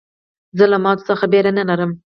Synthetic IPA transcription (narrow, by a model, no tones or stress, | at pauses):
zəlamɑt̪o̥səxabeɾanəlaɾəm